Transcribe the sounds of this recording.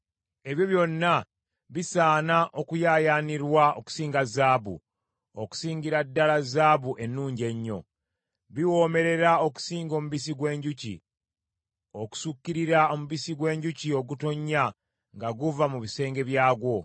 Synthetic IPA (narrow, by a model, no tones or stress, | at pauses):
e̞βjo̞βjo̞nːa | βisaːnaʔokujaːjaːniɾwao̰ku̥siːŋɡazaːβṵ | oku̥siːɲɟiɾadːalazaːβuʔe̞nːuːɲɟe̞ɲːo̞̰ | βiwo̞ːme̞ɾe̞ɾao̞ku̥siːŋɡo̞ːmuβis̬iɡwe̞ːɲɟucḭ | o̞ku̥sukːiɾiɾao̞muβisiɡwe̞ːɲɟucio̞ɡutoɲːa | ŋɡaɡuvamuβise̞ːŋɡe̞βjaːɡwo̞